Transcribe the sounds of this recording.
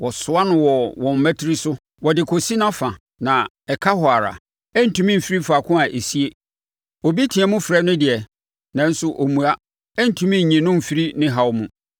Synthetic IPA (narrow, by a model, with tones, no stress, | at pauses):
wɔ˨sʊ˦a˦nʊ̃˦wɔ˨wɔ̃˨m̩˨mæ˦tʰɪ˦ɾi˦sʊ˦ | wɔ˨dɪ˨kʰo˨si˦nã˦fã˨ | nã˨ | ɛ˨kʰa˦hɔ˨a˨ɾa̰˨ | ɛ˦n̩˨tʰũ˦mĩ˦m̩˨fi˦ɾi˦fa˨kʰʊ̃˦a˨ʔe˨si˦e˦ | o˨bi˦tʰĩ˨ɛ̃˨mʊ̃˦fɾɛ˦nʊ̃˦dɪ˨ɛ˨ | nã˦n̩˦sʊ˦ʔo˨mũ˨a˦ | ɛ˦n̩˨tʰũ˨mĩ˦˨ɲĩ˨nʊ̃˦m̩˨fi˦ɾi˦nɪ̃˦ɦa˨wmũ˨